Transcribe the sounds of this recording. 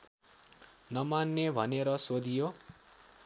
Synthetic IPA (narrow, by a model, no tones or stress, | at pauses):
nʌmanːebʱʌneɾʌsod̪ijo